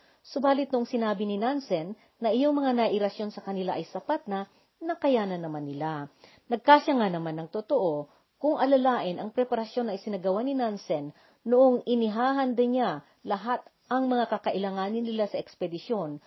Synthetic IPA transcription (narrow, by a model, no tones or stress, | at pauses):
sʊbaːlɪt̪nʊʔoŋsɪnaːbɪnɪnansɛnː | ɐʔɪjoŋmɐŋanɐʔɪɾɐsjo̞nsɐkɐnɪlaʔɐjsɐpat̪̚nɐ | nɐkɐjaːnɐnɐmanːɪla | nɐɡ̚kaʃaŋanɐmanːɐŋt̪ot̪oʔo̞ | kʊŋʔɐlɐlaːʔɪnʔɐŋpɾɛpɐɾɐsjo̞nɐjsɪnɐɡɐwanɪnansɛnː | ʊʔoŋʔɪnɪɦaːɦɐnd̪ɐɲa | lɐɦat̪ | ʔɐŋmɐŋakɐkɐʔɪlaŋaːnɪnːɪlasɐʔɛkspɛd̪ɪsjo̞n